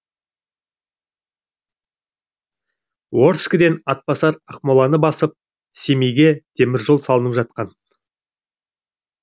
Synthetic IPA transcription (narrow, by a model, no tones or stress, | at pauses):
wo̞ɾskəd̪e̞nɑt̪̚pɑsɑɾəqmolˠɑnəbɑsəp̚ | se̞mejɡʲe̞t̪ʰe̞mɪɾʒolˠsɑlˠənəpʒɑt̪̚qɑn